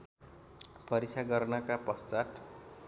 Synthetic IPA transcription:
pʰʌɾit͡sʰaɡʌrnʌkapʌst͡saʈ

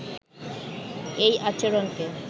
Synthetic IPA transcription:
ejʔat͡ɕeɾonke

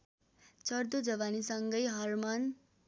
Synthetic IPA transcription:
t͡sʌrd̪od͡zʌβanisʌŋɡʌjɦʌrmʌn

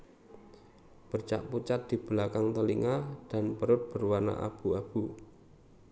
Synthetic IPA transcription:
b̥ərt͡ʃa̰ʔput͡ʃat̪̚d̪̥i̤b̥əlakaŋt̪əliŋad̥anpəɾʊt̪̚b̥ərwana̰ʔa̰b̥uab̥u

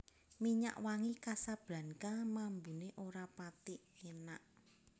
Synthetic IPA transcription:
miɲa̰ʔwaŋikasab̥la̤nkamambuneʔoɾapat̪ɪʔjənaʔ

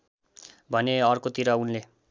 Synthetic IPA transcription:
bʱʌneʌrkot̪iɾʌunle

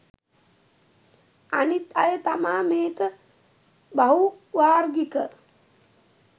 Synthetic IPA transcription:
anit̪ɐjət̪amaːmeːkə | baɦuʋaːɾɡikə

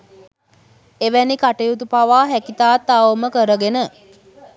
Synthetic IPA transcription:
eʋænikaʈejut̪̬upaʋaːɦækit̪aːt̪ːaʋoməkəɾəɡenə

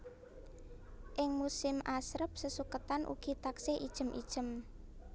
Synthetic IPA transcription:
ʔɪŋmusɪmasɾəp̚səsukət̪anʔṵɡ̥i̤t̪akseʔid̥ʒ̥ə̤mʔḭd̥ʒ̥ə̤m

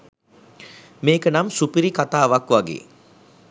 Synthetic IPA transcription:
meːkənamsupiɾikat̪aːʋakʋaɡḛː

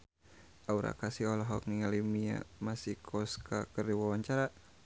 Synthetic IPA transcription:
ʔauɾa̰kasiɔlɔɦɔk̚ŋiŋalimia̰masihkʰɔskakərdiwawaɲt͡ʃaɾa

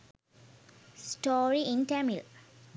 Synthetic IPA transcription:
sʈoːɾiĩnʈɛmil

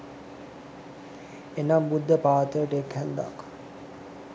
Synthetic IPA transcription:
enambud̪ʱːəpaːt̪əjəʈəekhɛnd̪a̰k

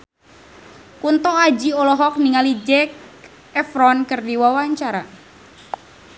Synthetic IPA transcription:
kunt̪ɔad͡ʒiɔlɔɦɔk̚niŋalid͡ʒɛk̚ | ɛfɾɔnkɨrdiwawaɲt͡ʃaɾa

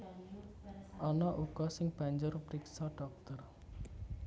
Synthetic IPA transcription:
ʔɔnɔʔuɡ̥ɔsɪŋb̥a̤ɲd͡ʒʊrpɾiksaɖ̥ɔk̚t̪ər

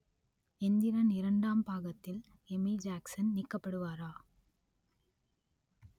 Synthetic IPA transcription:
ɛnd̪ɪɾɐnɪɾɐɳɖaːmpaːɣɐt̪ːɪl | ɛmid͡ʒaːksɐnnɪkːɐpːɐɽɯʋaːɾaː

